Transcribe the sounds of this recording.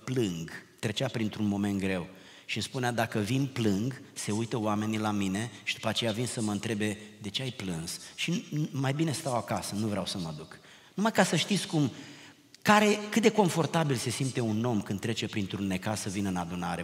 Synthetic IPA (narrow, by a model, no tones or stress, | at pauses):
plɨŋɡt̪ɾe̞t͡ʃapɾint̪ɾunmo̞me̞nt̪̚ɡɾe̞w | ʃispunead̪akəvinplɨŋɡse̞ujt̪əowame̞nilamine̞ʃid̪̥upat͡ʃe̞javinsəməɨnt̪ɾe̞be̞d̪e̞t͡ʃe̞ajplɨnsʃimajbine̞st̪awakasənuvɾeawsəməd̪uk | numajkasəʃt̪it̪sʲkum | kaɾe̞kɨt̪̚d̪e̞ko̞ɱfo̞rt̪abilse̞simt̪e̞uno̞mkɨnd̪ːɾe̞t͡ʃe̞pɾint̪ɾunːe̞kasəvinɨnad̪unaɾe̞